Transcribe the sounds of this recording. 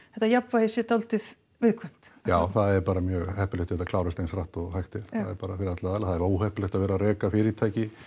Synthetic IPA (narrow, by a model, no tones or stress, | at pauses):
ɛht̪ajapvahesɛt̪awlt̪ɪð | vɪðkʰvɛm̥t̪jaːwθaðɛɾpaːɾamjœːɣhɛhpʏlɪht̪ɪɛt̪akʰlaːwɾɪst̪ejnsɾaht̪ɔɣhajxt̪ɪl̥θaaðɛɾpaːɾafɪɾɪðat̪laðaːlaθaðɛɾvauːhɛhpʏlɛht̪aðvɛːɾaɾɛːkafɪɾɪɪt̪ʰaːjcɪ